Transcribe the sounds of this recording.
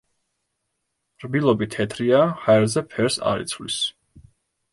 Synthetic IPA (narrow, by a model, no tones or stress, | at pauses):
ɾbilˠɔbit̪ʰɛt̪ʰɾiahaɛɾzɛpʰɛɾsa̰ɾḭt̪sʰvlḭs